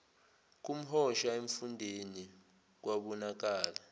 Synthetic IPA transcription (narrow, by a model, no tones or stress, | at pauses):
k̬ʼum̩hɔʃaeɱfundʱeni | k̬ʼwaɓɔnak̬aːla